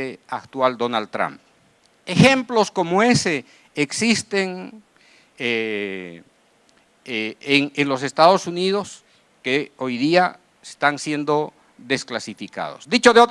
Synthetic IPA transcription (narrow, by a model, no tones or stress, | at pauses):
eakt̪wald̪onald̪̚t̪ɾa̰mp̚ | exe̞mplosko̞moe̞seː | ksist̪eŋ | e | eŋenlos̬e̞st̪aðo̞sunið̞o̞s | keojðia | est̪ansje̞nd̪o̞ | ðe̞sklasifika̰ðo̰sd̪it͡ʃoðeot̪